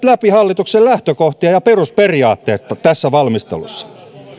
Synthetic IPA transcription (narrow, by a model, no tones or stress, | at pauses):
t̪læpihɑlːit̪uksellæht̪økoht̪iɑjɑperusperiɑːt̪ːeːt̪ːt̪æsːæʋɑlmist̪ḛlṵsːɑ̥